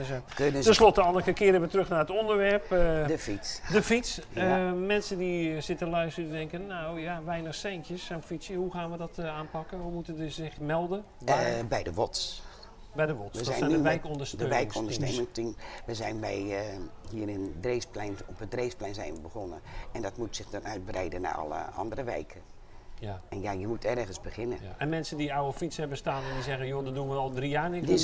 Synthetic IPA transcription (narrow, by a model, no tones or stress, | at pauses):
køətɛnslɔtəɔlˠəkəkɪəɾəʋətrøxnaːrətondəɹʋɛrpdəfitsdəfitsjəmɛnsəndisɪtəlœɥstədidɛŋkənːawjaʋɛjnəxsɛjŋkjəsənfitsjəɦuxaːnʋədɔtaːnpɑkənumutəndəzɪxmɛlˠdən | bɛjdəʋɔts | bɛjdəʋɔtsʋədɛjanydəʋjkɔndəsdəøɛjŋkɔndəsneːmɪŋstinʋəzɛjnbɛjhiːərəndresplɛnɔpədreːsplɛjnzɛjnʋəbəɣɔnəɛndɔtmutsɪxdɔnœɥt̚brɛjdəna̰ʔɔ̰lˠə̰ɔ̰ndərəʋɛ̰jkʰə | ɛnjajəmutʰɛrɣənzbəxɪnəɛnmɛnsədiawəfitshɛbəstaːnɛndizɛɣəjoːdɔdunʋəɔlˠdrijaːnɪkd